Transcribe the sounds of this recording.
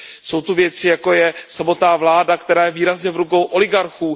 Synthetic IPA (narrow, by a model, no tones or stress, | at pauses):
so̞wt̪uvjɛt͡sɪjako̞jɛsamo̞t̪naːvlaːdakt̪ɛɾaːjɛviːɾazɲɛvɾuko̞wʔo̞lɪɡaɾxuː